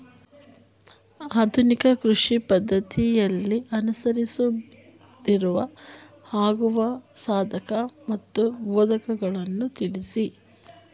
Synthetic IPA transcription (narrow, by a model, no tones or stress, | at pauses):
aːd̪ʰʱunikɐkɾuʂipɐd̪ʱːɐt̪ijɐlːiʔɐnusɐɾisu | d̪iɾuʋɐ | haːɡuʋɐsaːd̪ʱɐkɐmɐt̪ːubɔːd̪ɐkɐɡɐɭɐnːut̪iɭisi